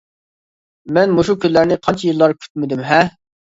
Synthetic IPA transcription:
mɛnmoʃukʲynlæɾnɪqʰɑnt͡ʃʰɛjilˠːɑɾkʲʰy̥t̪mɪd̪ymɦɛ

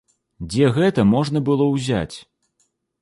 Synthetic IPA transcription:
d͡zʲɛɣɛt̪ɐmɔʐnɐbɨlˠɔwzʲa̰t͡sʲ

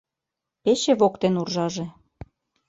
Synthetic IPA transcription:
peɕĕβokt̪enurʒɑʒĕ

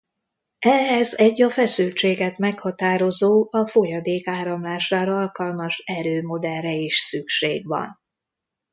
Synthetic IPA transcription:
ɛɦɛzɛɟːɒfɛsylt͡ʃeːɡɛt̪mɛkhɒt̪aːɾo̞zoːɒfo̞jɒd̪eːkaːɾɒmlaːʃaːɾɒɒlkɒlmɒʃɛɾøːmo̞d̪ɛlrɛiʃsykʃḛːɡʋɒ̰n

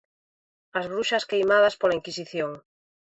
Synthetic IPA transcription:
azβɾuʃaskejmað̞aspolaiŋkisiθjoŋ

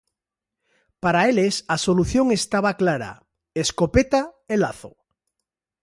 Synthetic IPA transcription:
paɾaelesasoluθjoŋest̪aβ̞aklaɾa̰ | eskopet̪aelaθo̰

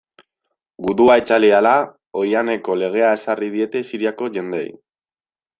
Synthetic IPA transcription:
ɡuðuaet͡ʃaliala | o̞jane̞ko̞le̞ɣ̞e̞ae̞sarið̞ie̞t̪e̞siɾiako̞ʝe̞nd̪e̞̰j

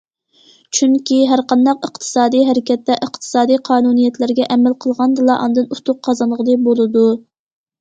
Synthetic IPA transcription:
t͡ʃʰyŋkʲiɦæɾqɑnd̪ɑqəqt̪ʰɨ̥sɑːd̪ijɦɛɾɪkʲɛt̪ːɛʔəqt̪ʰɨ̥sɑːd̪ijqʰɑːnunijɛt̪lɪɾɡʲɛʔɛmælqʰəlˠʁɑnd̪ɨlˠɑʔɑ̰nd̪ɨnut̪ʰʊq̚qʰːɑzɑnlˠəʁəd̪ɨbolˠɨd̪u

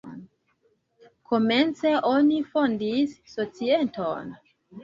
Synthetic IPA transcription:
kʰo̞me̞nt͡se̞ʔonifondisːo̞t͡siento̰n

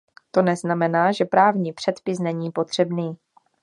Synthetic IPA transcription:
t̪o̞nɛznamɛnaːʒɛpɾaːvɲiːpr̥ɛt̪pɪsnɛɲiːpo̞t̪r̝̥ɛbniː

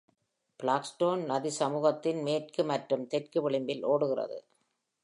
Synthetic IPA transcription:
b̥ɪɭaːksʈoːnnɐðisɐmuːɣɐt̪ːɪnmeːrkɯmɐʈɾɯmt̪ɛʈkɯʋɪɭɪmbɪlʔoːɽɯɣɪrɐ̰ðɯ̰

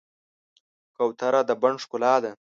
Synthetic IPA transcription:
kawt̪aɾad̪əbaɳʂkʊlɑːd̪a

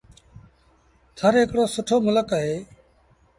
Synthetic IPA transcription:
t̪ʰəɾɦɪkɽoːsʊʈʰoːmʊləkəɦeː

